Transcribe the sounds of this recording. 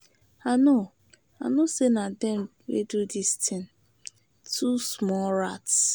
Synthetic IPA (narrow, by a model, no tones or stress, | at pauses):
ano | a̰nosenadɛm | wḛdudistɪ̃n | tʰusmɔɾats